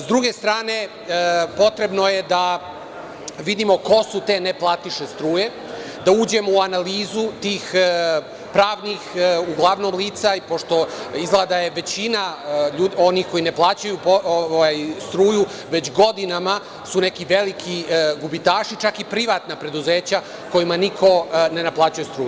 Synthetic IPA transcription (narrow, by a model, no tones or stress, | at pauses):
d̪ɾuɡe̞st̪ɾaːne̞ | po̞t̪ɾe̞bnojed̪a | ʋid̪imo̞ko̞sut̪e̞neplˠaːt̪iʃest̪ɾuːje̞ | d̪auːd͡ʑe̞mouanaliːzut̪iːx | pɾaːʋnixuɡlˠaʋno̞mliːt̪saipo̞ʃt̪o̞izɡlˠad̪aje̞ʋe̞t͡ɕinaʎuːd̪o̞nixko̞jine̞plˠaːt͡ɕajupooajst̪ɾuːju | ʋe̞t͡ɕɡo̞d̪inama | sune̞kiʋe̞likʰiɡubit̪aːʃit͡ʃakipɾiʋaːt̪napɾe̞d̪uzeːt͡ɕa | ko̞jimanikʰo̞ne̞naplˠaːt͡ɕujest̪ɾuːje